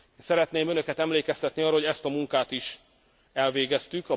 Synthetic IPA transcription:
sɛɾɛt̪neːmø̞nø̞kɛt̪ɛmleːkɛst̪ɛt̪niɒroho̞ɟɛst̪ɒmuŋkaːt̪iʃ | ɛlveːɡɛst̪ykɒ

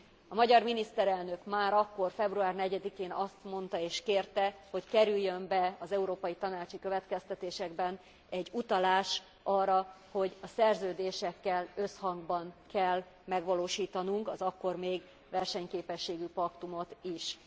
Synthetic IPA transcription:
ɒmɒɟɒrminist̪ɛɾɛlnø̞kmaːɾɒkːo̞rfɛbruaːrnɛɟɛd̪ikeːnɒst̪mo̞nt̪ɒeːʃkeːrt̪ɛho̞ckɛɾyjːømbɛɒzɛuɾoːpɒjit̪ɒnaːt͡ʃikø̞vɛt̪kɛst̪ɛt̪eːʃɛɡbɛn | ɛɟːut̪ɒlaːʃ | ɒːrːɒ | ho̞ɟɒsɛrzøːd̪eːʃɛkːɛlø̞shɒŋɡbɒnkɛlː | mɛɡʋɒloːʃiːt̪ɒnuŋkɒzɒkːo̞rmeːɡ | ʋɛrʃɛɲkeːpɛʃːeːɡypɒkt̪umo̞t̪iʃ

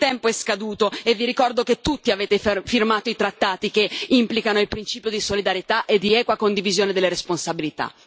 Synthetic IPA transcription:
t̪ɛmpoɛskad̪uːt̪oevːiɾikɔrd̪oket̪ːut̪ːiaveːt̪effirmaːt̪oit̪ɾat̪ːaːt̪ikeimplikanoilpɾint͡ʃiːpjod̪isolid̪aɾjet̪aʔed̪ːiɛːkwakond̪ivizjoːned̪elːeɾesponsabilit̪a̰

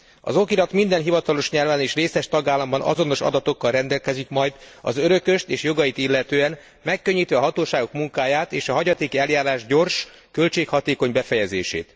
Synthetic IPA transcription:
ɒ̰zo̞kiɾɒt̪mind̪ɛnɦivɒt̪ɒlo̞ʃɲɛlvɛːneːʃreːsɛʃt̪ɒɡaːlːɒmbɒnɒ̰zo̞no̞ʃɒ̰d̪ɒt̪o̞kːɒlrɛnd̪ɛlkɛzikmɒjd̪ɒ̰zøɾø̞køʃt̪eːʃjoɡɒjit̪ilːɛt̪øːɛn | mɛkːø̞ɲːiːt̪ʋɛɒɦɒt̪oːʃaːɡo̞kmuŋkaːjaːt̪eːʃɒɦɒɟɒt̪eːkiɛljaːɾaːʒɟo̞rʃ | kø̞lt͡ʃeːkhɒt̪eːko̞ɲbɛfɛjɛzḛːʃḛːt̪

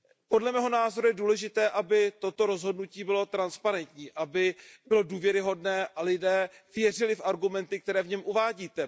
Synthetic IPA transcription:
po̞dlɛmɛːɦo̞naːzo̞ɾujɛduːlɛʒɪt̪ɛːʔabɪt̪o̞t̪o̞ɾo̞zɦo̞dnuciːbɪlo̞t̪ɾanspaɾɛnt̪ɲiːʔabɪbɪlo̞duːvjɛɾɪɦo̞dnɛːʔalɪdɛːvjɛrɪlɪfʔaɾɡumɛnt̪ɪk̚t̪ɛɾɛːvɲɛmʔuvaːɟiːt̪ɛ

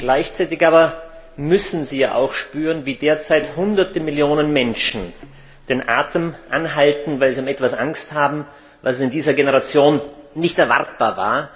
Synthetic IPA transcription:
ɡ̥laɪçt͡saɪtɪçʔaːbɐ | mʏsn̩ziːja̰ːʔa̰ʊxʃpyːʁənviːdeːɐt͡saɪthʊndɐtəmɪljoːnənmɛnʃn̩ | d̥eːnʔa̰ːtəmʔanɦaltn̩vaɪlziʊmɛtv̥asʔaŋsthaːbm̩ | vassɪndiːzɐɡenəʁat͡sjoːnːɪçtɛɐva̰ɐt̚b̥aːɐva̰ːɐ

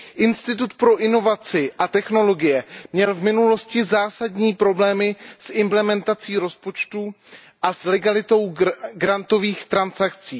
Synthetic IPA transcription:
ʔɪnst̪ɪt̪ut̪pɾo̞ʔɪno̞vat͡sɪʔat̪ɛxno̞lo̞ɡɪjɛmɲɛlvmɪnulo̞scɪzaːsadɲiːpɾo̞blɛːmɪsʔɪmplɛmɛnt̪at͡siːɾo̞spo̞t͡ʃt̪u | ʔaslɛɡalɪt̪o̞wɡɾant̪o̞viːxt̪ɾansakt͡siː

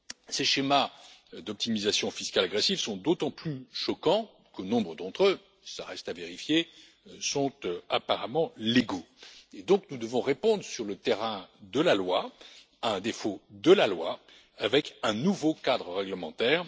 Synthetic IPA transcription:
seʃemad̪ɔp̚t̪imizasjɔ̃fiskalaɡʁesifsɔ̃d̪ot̪ɑ̃plyʃɔkɑ̃ | kənɔ̃bʁəd̪ɑ̃t̪χø | saʁɛst̪aveʁifje | sɔ̃t̪apaʁamɑ̃leɡo | ed̪ɔ̃knud̪əvɔ̃ʁepɔ̃d̪ʁəsyʁlət̪eʁɛ̃d̪əlalwa | aɛ̃d̪efod̪əlalwa | avɛkɛ̃nuvokad̪ʁəʁɛɡləmɑ̃t̪ɛːʁ

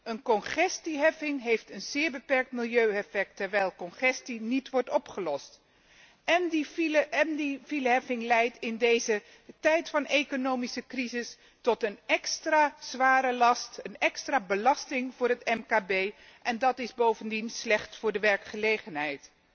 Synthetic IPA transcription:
ənkɔnχɛstiɦɛfɪŋɦejftənz̥ɪːɹbəpɛɹk̚tmɪlˠjøɥɛfɛk̚tɛɹʋɛjlˠkɔnχɛstinitʋɔɹtɔpχəlɔst | ɛmdivilɦɛfɪŋlɛjtɪndejzə | tɛjtfɑnejkonowmisəkrizɪs | tɔtənɛkstraːz̥ʋaːɾəlɑstənɛkstraːbəlɑstɪŋvʊːɹɦətɛmkaːbej | ʔɛndɑtɪzbowvəndinslɛχtfʊːɹdəʋɛɹkχəlejχənɦɛjt

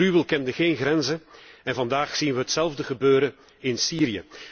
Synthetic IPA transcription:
rywəlˠkɛndəɣeːnɣɾɛnzəɛnvɑndaːxsinʋəɦətsɛlˠvdəɣəbøːɾə | ɪnsiːɾijə̰

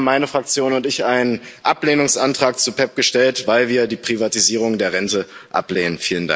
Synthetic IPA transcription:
mːaɪnəfʁ̥ak̚t͡sjoːnʊntɪçʔaɪnənʔapleːnʊŋsʔantʁ̥aːkt͡supʰɛp̚ɡ̥əʃtɛltvaɪlviːɐdiːpʁ̥ivatiziːʁʊŋdeːɐʁɛntəʔa̰pleːnənfiːlənda̰

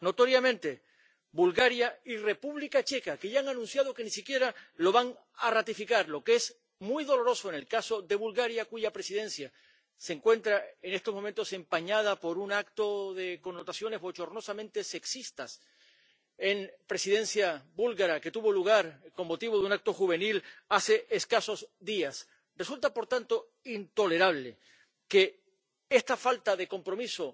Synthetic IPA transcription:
no̞t̪o̞ɾjamẽ̞nt̪e̞ | bulɣaɾjaire̞puβlikat͡ʃe̞kakeʝaaŋanũnsjað̞o̞ke̞nisikje̞ɾalo̞βaŋ | arat̪ifikaɾlo̞kees | mwujðo̞lo̞ɾo̞soene̞lkaso̞ðe̞βulɣaɾjakuʝapɾe̞siðẽ̞nsja | se̞ːŋkwe̞nt̪ɾaene̞st̪o̞zmo̞mẽnt̪o̞se̞mpaɲað̞apo̞ɾunak̚t̪o̞ðe̞ko̞nːot̪asjo̞ne̞zβo̞t͡ʃo̞rno̞samẽnt̪e̞se̞ksist̪as | enpɾe̞siðẽ̞nsjabulɣaɾake̞t̪uβo̞luɣ̞aɾko̞mːo̞t̪iβoðunak̚t̪o̞xuβ̞e̞nilase̞ʔeskaso̞zðias | result̪apo̞ɾt̪ant̪o̞ | int̪o̞le̞ɾaβ̞le | ke̞ | est̪afalt̪aðe̞ko̞mpɾo̞miso̞

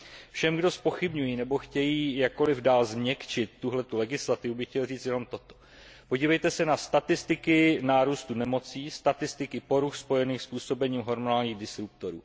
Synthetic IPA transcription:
fʃɛmɡdo̞spo̞xɪbɲujiːnɛbo̞xcɛjiːjak̚kːo̞lɪvdaːlzmɲɛkt͡ʃɪt̪ːuɦlɛt̪ulɛɡɪslat̪ɪvubɪxcɛlriːt͡st̪jɛno̞mt̪o̞t̪o | po̞ɟiːvɛjt̪ɛsɛnast̪at̪ɪst̪ɪkɪnaːɾuːst̪unɛmo̞t͡siːst̪at̪ɪst̪ɪkɪpo̞ɾuxspo̞jɛniːxspuːso̞bɛɲiːmɦo̞ɾmonaːlɲiːɣdɪsɾup̚t̪o̞ɾṵː

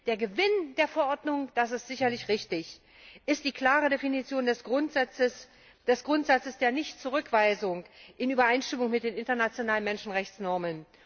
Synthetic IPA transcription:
d̥eːɐɡəvɪnd̥eːɐfɛɐʔɔɐdnʊŋd̥as̬ɪstz̥ɪçɐlɪçʁɪçtɪç | ʔɪst̚d̥iːkl̥aːʁədefinit͡sjoːndɛsʁʊnzat͡səs | d̥ɛsɡ̥ʁʊntz̥at͡səsd̥eːɐnɪçtt͡suʁ̞ʏkv̥aɪzʊŋʔɪnʔyːbɐʔaɪnʃtɪmʊŋmɪt̚d̥eːnɪntɐnat͡sjonaːlənmɛnʃn̩ʁɛçt͡snɔɐmən

